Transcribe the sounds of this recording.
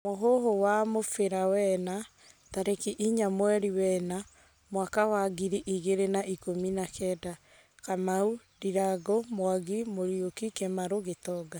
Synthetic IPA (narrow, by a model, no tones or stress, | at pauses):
moɦoɦowamofeɾawɛna | taɾekiʔiɲamwɛɾiwɛna | mwakawaɡiɾiʔiɣeɾenaikominakɛda | kamau | diɾaɡɔmwaɣimoɾjokikɛmaɾoɣetɔɡa